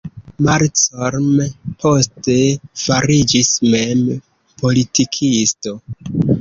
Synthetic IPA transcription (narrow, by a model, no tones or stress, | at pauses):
maɾt͡soɾmepʰo̞ste̞faɾid͡ʒismem | po̞litikʰisto̞